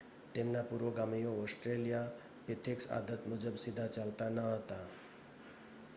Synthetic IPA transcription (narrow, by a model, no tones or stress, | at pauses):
t̪enːapuɾʋoɡamijoosʈɾelija | pit̪ʰeksa̰d̪ət̪mud͡zəbsid̪ʱːat͡salt̪anʌɦʌt̪a